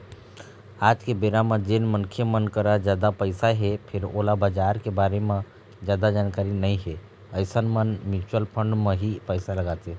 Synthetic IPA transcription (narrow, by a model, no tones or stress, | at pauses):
aːd͡ʒkebeɾamẽd͡ʒeːnmənkʰjemənkəɾad͡ʒjaːd̪apəɪsaɦepʰɪɾo̰labəd͡ʒaːɾkebaːɾemẽ | d͡ʒjaːd̪ad͡ʒaːnkaːɾinəĩɦe | əɪsənmənmɪɾt͡ʃuəlpʰəɳɖmə̃ɦipəɪsaləɡat̪e